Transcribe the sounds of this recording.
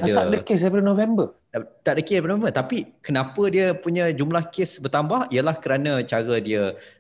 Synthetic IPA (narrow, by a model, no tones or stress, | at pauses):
aaʔdəkesajpədənõvɛmbə | t̪aʔdəkebənovɛmbət̪apikənãpədiəpuɲə̃d͡ʒumlahkesbərt̪ambahiəlahkəɾanə̃t͡ʃaɾədiə